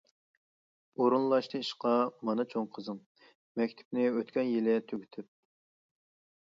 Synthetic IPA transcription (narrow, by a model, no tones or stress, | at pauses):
oɾunlˠɑʃt̪ɨiʃqɑmɑnɨt͡ʃʰoŋqʰəzɨŋ | mɛkʲt̪ʰɪ̥pnɪøt̪kʲɛnjilɪt̪ʰøɡʲyt̪ʰyp̚